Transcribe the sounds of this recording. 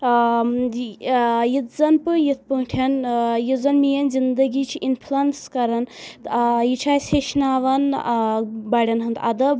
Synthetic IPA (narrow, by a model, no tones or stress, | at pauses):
jit̪zɐnpɨjit̪̚ʰpɐʈʰɐnjizɐnmijɐnzind̪ɐɡit͡ʃʰiʔinpʰlɐnskɐɾɐn | jit͡ʃʰaːjseʃnaːʋɐn | baɽʲɐnɦɐnt̪ʰɐ̰d̪ɐb